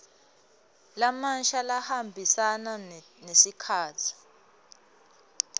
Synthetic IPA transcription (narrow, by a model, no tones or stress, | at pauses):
lamanʃalahambʱisana | nesikʰaːtʰi̥